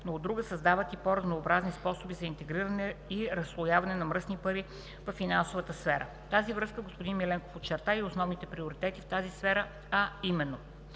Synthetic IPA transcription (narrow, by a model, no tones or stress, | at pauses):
noːd̪ːɾuɡəsɐzd̪avət̪ipoɾɐznoːbɾaznispɔsobizɐint̪ɛɡɾiɾɐnɛiɾɐsːlˠojavɐnɛnɐmɾɤsnipəɾi | vɐfinansovət̪əsfɛɾə̰ | t̪azivɾɤskəɡospod̪inmilɛŋko̥fot̪t͡ʃːɛɾt̪aiosnɔvnit̪ɛpɾioɾit̪ɛt̪ift̪azisfɛɾə | ɐimɛnːo